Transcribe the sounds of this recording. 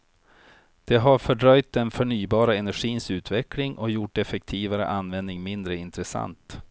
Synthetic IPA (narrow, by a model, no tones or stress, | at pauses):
d̪̥ɛɦaɾfœɖɾœjt̪̚d̪ɛnfœɳyːbɑːɾaɛnæɾɧiːnsʉ̟ːt̪vɛklɪŋʔɔjʊʈɛfɛk̚t̪ʰiːvaɾə̰ʔanːvɛnnɪŋmɪnd̪ɾəɪnt̪ɾəsa̰nt̪